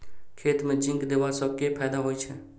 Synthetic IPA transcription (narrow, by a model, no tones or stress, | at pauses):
kʰeːt̪mẽd͡ʒɪ̃ŋkd̪eːʋasəb̚kepʰɛːd̪aɦoːit͡ʃʰɛ